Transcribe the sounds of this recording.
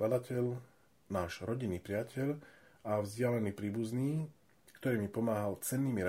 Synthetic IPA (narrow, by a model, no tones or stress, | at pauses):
lad̪acʰɛʎ | naːʒɾɔɟinːiːpɾɪacʰɛʎavzɟɪalɛniːpɾiːbuzniː | kt̪ɔɾiːmipɔmaːɦalt͡sɛnːiːmiɾa